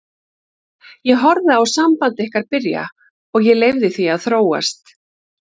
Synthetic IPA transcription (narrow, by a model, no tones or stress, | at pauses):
jɛɦɔɾðɪawsampant̪ɪɪhkaɾpɪɾja̰ | ɔɣjɛlejvðɪθiaðθɾoːwa̰st̪